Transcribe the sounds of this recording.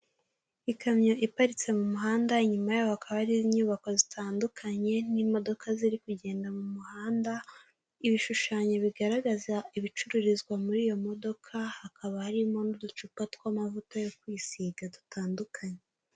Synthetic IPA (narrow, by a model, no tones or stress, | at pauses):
ikʰamɲo̞ʔipaɾit͡se̞mumuɦaːndaiɲumajaohakaβaaɾiziɲuːβako̞zitʰaːndukʰaɲe̞nimo̞do̞kʰaziɾikuɟe̞ːndamumuhaːnda | iβiʃuʃaːɲo̞βiɡaɾaɡazaiβit͡ʃuɾuɾizɡwamuɾiːjo̞mo̞do̞kʰahakʰaβahaɾimo̞nudut͡ʃupatwamavutojokwiːsiːɡadutʰaːndukʰaɲe